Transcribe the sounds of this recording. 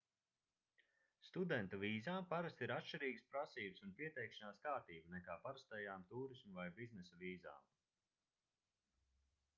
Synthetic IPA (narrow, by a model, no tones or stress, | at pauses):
st̪ud̪ɛnt̪uviːzaːmpaɾast̪iɾat̪ʃt͡ʃiɾiːɡəspɾasiːbəsunpiɛt̪ɛjkʃanaːskaːɾt̪iːbnɛkaːpaɾast̪ɛjaːmt̪uːɾismuvajbiznɛsɐviːza̰ːm